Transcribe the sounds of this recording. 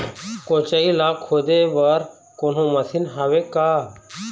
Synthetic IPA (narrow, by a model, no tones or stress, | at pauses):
kõːt͡ʃəiːlaːkʰhoːd̪eːʋəɾ | koːn̤õːməsʰinɦaːʋeːkaː